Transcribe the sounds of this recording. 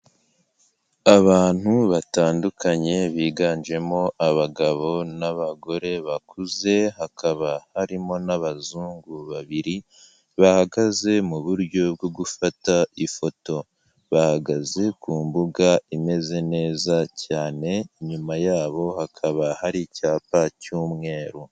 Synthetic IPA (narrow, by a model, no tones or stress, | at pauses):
aβaːn̥huβataːndukʰaɲe̞βiːɡaːnʒe̞mo̞ʔaβaɡaβo̞naβaɡo̞ɾe̞βakuze̞hakʰaβahaɾimo̞naβazuːŋɡuβaβiɾi | βahaɡaze̞muβuɾɟo̞bɡoɡufataifo̞to̞ | βahaɡaze̞kuːmbuɡaime̞ze̞ne̞ːzacaːne̞ɲumajaːβo̞hakʰaβahaɾicaːpacuːmŋe̞ːɾo